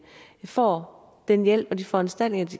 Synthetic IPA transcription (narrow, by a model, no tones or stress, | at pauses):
fɒ̰ː | d̥enjel̰b̥ɒ̽d̥ifɒ̽ænsd̥æl̰d̥ne̝ŋɐd̥i